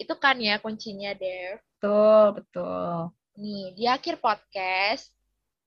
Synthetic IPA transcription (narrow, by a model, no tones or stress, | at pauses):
it̪ukanjakoɲt͡ʃiɲadɛrət̪ʊlbət̪ʊl | nidiakɪrpɔt̪̚kɛst̪̚